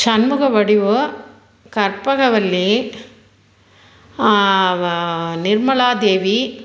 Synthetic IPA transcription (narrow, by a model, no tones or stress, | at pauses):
t͡ʃɐnmɯɣɐʋɐɽiʋɯ | kɐɾpɐɣɐʋɐlːi | nɪɾmɐɭaːd̪eːʋi